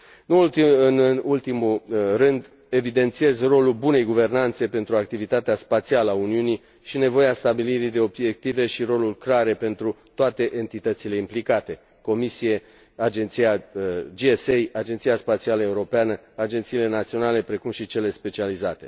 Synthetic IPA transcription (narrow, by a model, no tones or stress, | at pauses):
nultiɨnult̪imulrɨnd̪ | e̞vid̪e̞nt̪sie̞zro̞lulbune̞jɡuve̞rnant̪se̞pe̞nt̪ɾuakt̪ivit̪at̪easpat̪sialəauniuni | ʃine̞vo̞jeast̪abiliɾid̪e̞o̞bje̞k̚t̪ive̞ʃiɾo̞lulkɾaɾe̞pe̞nt̪ɾut̪oat̪e̞ʔe̞nt̪it̪ət̪sile̞implikat̪e̞ | ko̞misije̞ | ad͡ʒe̞nt̪sijad͡ʒiesejad͡ʒe̞nt̪sijaspat̪sialəe̞uɾo̞peanəad͡ʒe̞nt̪siːle̞nat̪sio̞nale̞pɾe̞kumʃit͡ʃe̞le̞spe̞t͡ʃializat̪e̞̰